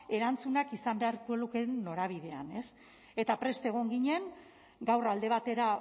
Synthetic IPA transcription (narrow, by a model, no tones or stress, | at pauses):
e̞ɾant͡sunakisambe̞aɾko̞eluke̞no̞ɾaβ̞ið̞e̞ane̞s | e̞t̪apɾe̞st̪eɣ̞o̞ŋɡiɲe̞ŋ | ɡawrald̪e̞β̞at̪e̞ɾa